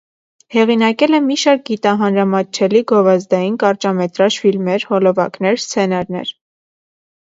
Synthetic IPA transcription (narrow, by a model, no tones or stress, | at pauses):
hɛʁinɑkɛlɛmiʃɑɾk̚ɡit̪ɑɦɑnɾɑmɑt͡ʃʰɛliɡɔvɑzd̪ɑjinkɑɾt͡ʃɑmɛt̪ɾɑʃfilmɛɾhɔlɔvɑ̰knɛɾst͡sʰɛnɑɾnɛ̰ɾ